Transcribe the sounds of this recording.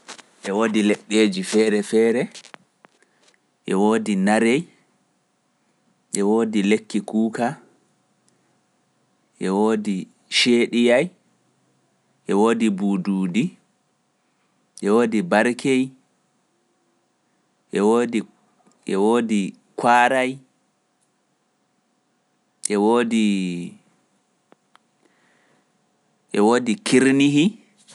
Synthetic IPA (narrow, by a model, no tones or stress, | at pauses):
ʔɛwoːdilɛɓːeːd͡ʒifɛːɾɛfɛːɾɛ | ʔɛwoːdinaɾej | ʔɛwoːdilekːikuːka | ʔɛwoːdi | ʃeːɗijaj | ʔɛwoːdibuːduːdi | ʔɛwoːdibaɾkʰej | ʔɛwodi | ʔɛwoːdi | kʰwaːɾaj | ʔɛwoːdi | ʔɛwoːdikʰiɾniɦi